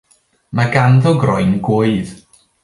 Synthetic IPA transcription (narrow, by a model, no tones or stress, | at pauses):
maɡanðɔɡrɔɨnɡwʊɨð